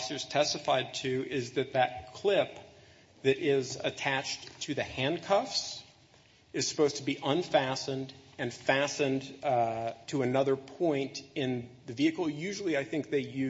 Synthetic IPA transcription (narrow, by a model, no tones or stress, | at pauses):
sə˞z̥tʰɛstɨfaɪd̚tʰʉɪzðɨt̪̚ðɨt̚kʰl̥ɪp | ðɨɾɪzɨ̰tʰæt͡ʃʰɨðɨhæ̃nkʰʌfs | ɨz̥sə̥poʊz̥tʰəbiʔə̃nfæsɨ̃ndɨ̃nfæsɨ̃n | tʰəɨnʌðə˞pʰɔ̃ɪ̃ntɪ̃nðɨviɨkl̩ˠjʉʒl̩ˠiaɪθɪ̃ŋk̚ðeɪjʉ